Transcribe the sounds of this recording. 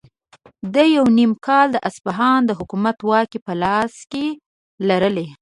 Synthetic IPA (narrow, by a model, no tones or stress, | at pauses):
d̪əjawnimkɑld̪əʔasbaɦɑnd̪əɦʊkumat̪wɑkipəlɑske | laɾəle